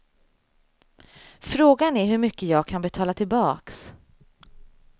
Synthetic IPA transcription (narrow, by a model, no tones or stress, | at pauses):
fɾoːɡanæɾɦɵɾmʏkːəjɑːɡ̚kʰanbɛt̪ʰɑːlat̪ʰɪlbɑːks